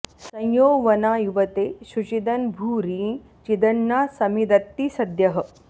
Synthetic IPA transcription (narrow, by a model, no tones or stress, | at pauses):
sɐ̃jjoːʋɐnaːjuʋɐt̪eːʃut͡ʃid̪ɐnbʱuːɾiːn | t͡ʃid̪ɐɳːaːsɐmid̪ɐt̪ːisɐd̪jɐɦə̆